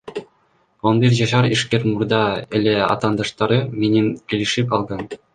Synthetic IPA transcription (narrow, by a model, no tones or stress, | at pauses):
ŏnbʲirʲʑɑɕɑriʂkʲerʲmurd̪ɑɘ̆lʲeɑ̰t̪ɑnd̪ɑʂt̪ɑɾʲɤmʲenʲɘ̆nkʲelʲiʂipʲɑlˠɡɑn